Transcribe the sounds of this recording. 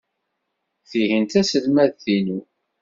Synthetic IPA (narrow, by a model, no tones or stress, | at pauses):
θiɦənt̪æsəlmæðθinu